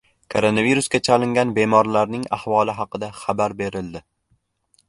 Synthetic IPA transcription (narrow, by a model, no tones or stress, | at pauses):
kʰoɾonaviɾuskʲat͡ʃʰalɪŋɡʲanbe̞mɒɾlaɾnɪŋa̰hvɒlˠɪɦɑqɨd̪aχabaɾbe̞ɾɪld̪ɪ